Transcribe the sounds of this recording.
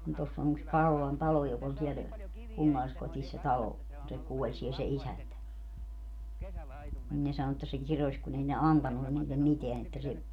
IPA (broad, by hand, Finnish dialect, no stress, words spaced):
ni tosː on yks kɑrolɑn tɑlo jok olʲ siɛl kunːɑlːiskotis se tɑlo kun se kuolʲ siel se isæntæ nin ne sɑno etːæ se kirosʲ kun ei ne ɑntɑnːu niːlːem miteæn etːæ se